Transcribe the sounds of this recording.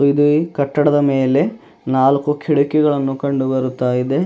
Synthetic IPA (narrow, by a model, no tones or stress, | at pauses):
id̪ukɐʈːɐɽɐd̪ɐme̞ːle̞ | naːlkukʰiɭukɛɡɐɭɐnːukɐɳɖubɐɾut̪ːaːjid̪e̞